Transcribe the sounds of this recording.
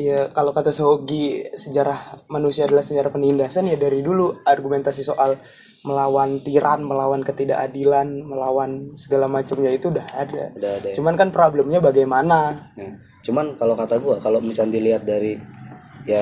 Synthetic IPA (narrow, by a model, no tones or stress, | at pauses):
jakalokat̪asoɡisəd͡ʒaɾahmanusiaːdalahsəd͡ʒaɾahpənindasanjadaɾiduluarɡument̪asisoʔal | məlawant̪iɾʔanməlawankət̪ida̰ʔadilanməlawansəɡalamat͡ʃamɲait̪udahadɡa̰dadat͡ʃumankanpɾablɛmɲabaɡajmanaja | t͡ʃumankalokat̪aɡuakalomisand̪iliɦat̪̚daɾi | ja